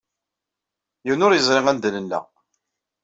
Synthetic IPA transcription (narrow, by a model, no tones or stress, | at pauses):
jəwnʊɾjəzˤɾɪʁænd̪lənːæ̰